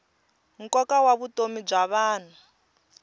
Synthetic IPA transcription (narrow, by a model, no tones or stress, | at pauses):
ŋ̩kɔkawaβutomib͡ʐaβaːn̤a